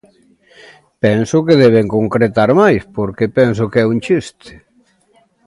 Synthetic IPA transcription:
pɛnsʊkeðɛβ̞eŋkoŋkɾet̪aɾmajspoɾkepɛns̬ʊkɛunt͡ʃist̪ɪ̥

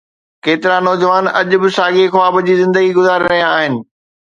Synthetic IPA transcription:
keːt̪ɪɾanɔːd͡ʑəʋaːnɐʄʊ̆bɪsaːɡexʊaːbʊd͡ʑiːzɪ̃nd̪əɡiɡʊzaːɾiɾɐɦijaaːɦɪnɪ̆

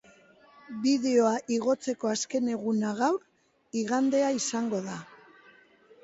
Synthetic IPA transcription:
biðe̞o̞aʔiɣo̞t͡se̞ko̞aske̞ne̞ɣunaɣawɾ | iɣand̪e̞aisaŋɡo̞ða

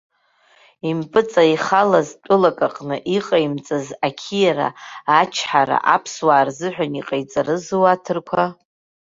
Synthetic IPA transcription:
impʼɨt͡sʼaiχalaztʷʼʊlakʼaqʼnɨʔiqʼajmt͡sʼazakʲʰijaɾa̰at͡ʃʰħaɾa̰ʔapʰswaːrzɨħʷᶣaniqʼajt͡sʼarɨzuwatʰɨrkʷʰa

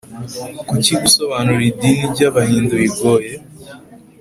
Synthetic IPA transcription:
kuciɡusoβaːnuɾidiniɟaβahiːnduiɡoːje

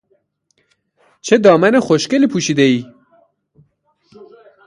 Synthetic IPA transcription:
t͡ʃʰed̪ɒːmænexoʃkelipʰuːʃiːd̪eiː

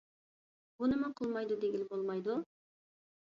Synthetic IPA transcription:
b̥unɨmɑqʰəlˠmɑjd̪ʊd̪eɡʲilbolˠmɑjd̪ʊ

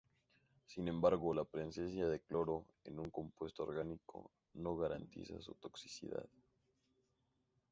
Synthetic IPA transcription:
sinẽ̞mbaɾɣo̞lapɾe̞nsesjaðe̞klo̞ɾo̞ | e̞̰nuŋko̞mpwe̞st̪ooɾɣanikʰo̞̰ | no̞ɣaɾant̪ḭsa̰sut̪o̞ksi̥sḭða̰ð

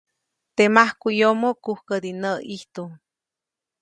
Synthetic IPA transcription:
t̪emahkujomokuhkəd̪inəiht̪u

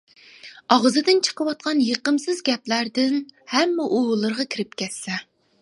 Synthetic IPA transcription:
ɑʁzɨd̪ɪnt͡ʃʰə̥qəwɑt̪̚qʰɑnjeqəmsɨzɡʲɛplæɾd̪ɪnhɛmːɛʔowlˠɨɾʁɑkʲʰiɾɪp̚kʲɛsːɛ

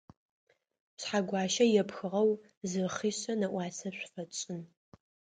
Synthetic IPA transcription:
ɕħaɡʷɑːʃɐjɛpxɨʁɐw | zɨχiːɕɐnɐʔʷɑːsɐɕʷfɐt͡ʃʼɪn

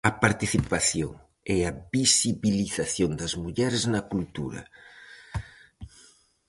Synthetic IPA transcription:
ɐpaɾt̪iθipaθjo̰ŋ | ɛɐbisiβiliθaθjond̪ɐzmuʎɛɾeznɐkult̪uɾɐ̰

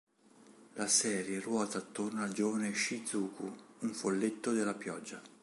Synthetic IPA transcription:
lasɛːɾjerwɔːt̪aːt̪ːornald͡ʒɔːvaneʃid̪zuːkʰuuɱfolːet̪ːod̪elːapjɔd͡ʒːa

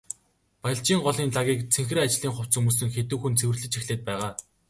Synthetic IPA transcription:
pajɪ̆ɬt͡ɕiːŋɢɔɮiːnɮaɣʲiːkt͡sʰeŋxrɘ̆at͡ɕɮiːŋχʊw̥t͡sumuːs̬ɘ̆ŋxet̪ŭːxunt͡sʰewɘ̆rɮɘ̆t͡ɕʰixɮeːt̪̚pæːʁaː

